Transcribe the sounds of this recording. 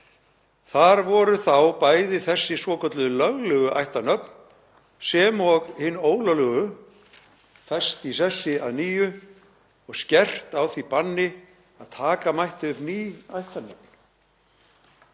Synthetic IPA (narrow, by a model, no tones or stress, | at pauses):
θaɾvɔɾʏθawpajðɪθɛsːɪsvɔːkœt̪lʏðʏlœɣlœɣʏʔa̰jht̪anœpn | sɛmɔɣhɪnːoːwlalʏɣʏ | θɛst̪is̬ɛsːɪa̰ðniːjʏ | ɔɣscɛr̥t̪awθipanːɪ | aðt̪ʰaːkamajht̪ɪʏpniːajht̪anœp̚n̥